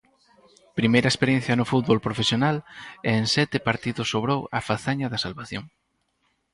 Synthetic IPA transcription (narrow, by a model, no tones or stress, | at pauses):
pɾimejɾɐespeɾjẽn̟θjɐnʊfut̪̚βolpɾofesjonalensɛt̪ɪpaɾt̪iðʊsoβɾowɐfaθaɲɐðɐsalβaθjo̰ŋ